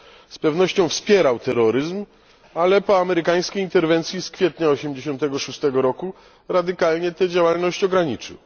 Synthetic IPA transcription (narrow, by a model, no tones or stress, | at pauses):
spɛvnɔɕt͡ɕɔ̃w̃fspʲjɛɾawt̪ɛɾɔɾɘzm | alɛpɔamɛɾɘkaj̃skʲejint̪ɛɾvɛnt̪sʲjiskfʲjɛt̪ɲaɔɕɛmd͡ʑeɕɔ̃nt̪ɛɡɔʂust̪ɛɡɔɾɔku | ɾad̪ɘkalɲɛt̪ɛd͡ʑawalnɔɕt͡ɕɔɡɾaɲit͡ʂɨ̰w